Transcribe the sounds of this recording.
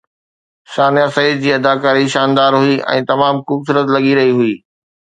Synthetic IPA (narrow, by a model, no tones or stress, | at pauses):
saːnjasɐid̪̚d͡ʑiːɐd̪aːkaːɾiʃaːnd̪aːɾɦʊiʔɛ̰̃ːt̪ɐmaːmkʊbsʊɾət̪lɐɠiɾɐɦiɦʊiː